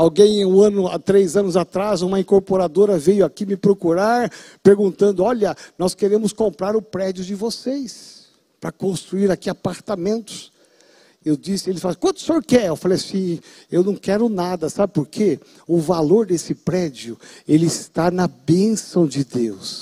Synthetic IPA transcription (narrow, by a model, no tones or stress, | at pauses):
awɡẽj̃ũɐ̃nʊa̰t̪ɾejzɐ̃nʊzat̪ɾazũmɐĩŋkoɾpoɾad̪oɾɐvejʊakimɪpɾokuɾaɾpeɾɡũnt̪ɐ̃nd̪ʊɔʎɐnɔskeɾẽmʊskõmpɾaɾʊpɾɛd͡ʒiʊd͡ʒɪvosejs | pɾɐkõst̪ɾuiɾakiapaɾt̪amẽnt̪ʊ̥s | ewd͡ʒisɪelɪfaskwɐ̃nt̪ʊ̥soɾkɪɛewfalejasĩ | ewnɐ̃w̃kɛɾʊnad̪ɐsabɪpoɾkʰe | ʊvaloɾd̪esɪpɾɛd͡ʒiʊelɪɪst̪anɐbẽsɐ̃w̃d͡ʒɪd̪ews